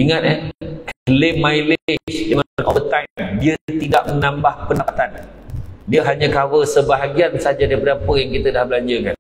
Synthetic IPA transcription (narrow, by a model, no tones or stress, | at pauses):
iŋãt̪̚ɛkəlemːailt͡ʃdaŋanʔɔ̰vət̪ajmdiət̪idaʔ̚mənãmbahpənapat̪an | diəɦaɲãkawəsəbaɦaɡiansad͡ʒadaipadampəjaŋkit̪ədahbəlaɲd͡ʒəka̰n